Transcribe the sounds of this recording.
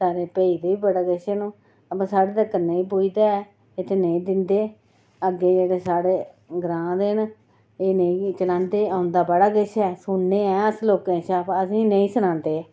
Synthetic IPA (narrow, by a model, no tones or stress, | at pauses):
saːɾeːpəːiːd̪eːiːbəɽaːkɪʃeːnũː | əpãːsaːɽeːt̪əːkːənəĩːpoːiːd̪aːɛː | et̪ʰeːnəĩːd̪ɪnd̪eː | əɡeːd͡ʒeːɽeːsaːɽeː | ɡɾãːd̪eːn | eːnəĩːt͡ʃəlãːnd̪eːãːʊnd̪aːbəɽaːkɪʃɛːsʊɳːeːɛːəsloːkẽːt͡ʃaːpəsĩːnəĩːsʊnãːnd̪eː